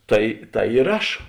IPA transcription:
ˈtɐɪ ˈtɐɪ ɪr ˈɐʃ

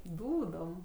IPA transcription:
ˈduːdoːm

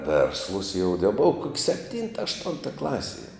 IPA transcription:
ˈʋʲeːrslˠʊs jɛʊ dʲɛ ˈboːʋɐ koːk sʲɛpʲˈtʲiːntɐ ɐʃˈtʊntɐ ˈklˠɑːsʲiɛ

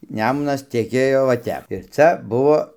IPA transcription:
ˈnʲæːmʊnɐs tʲɛˈkʲeːjoː ʋɐ ˈtʲɛp ɪr ˈt͡sʲɛ ˈbʊʋoː

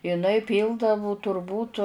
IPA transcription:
ɪˈnɐɪ ˈpʲiːlˠdɐʋʊ tʊrˈbuːt

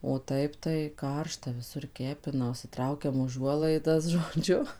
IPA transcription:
oː ˈtɐɪp tɐɪ ˈkɐrʃtɐ ʋʲɪˈsʊr ˈkʲæːpʲɪnɐ ʊʃʲsʲɪˈtrɐʊkʲɛm ʊˈʒuɔlˠɐɪdɐs ʒoːˈd͡ʒʲʊ

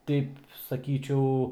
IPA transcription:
ˈtʲɛɪp sɐˈkʲiːt͡ʃʲɛʊ

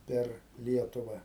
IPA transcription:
ˈpʲɛr ˈlʲiɛtʊʋɐ

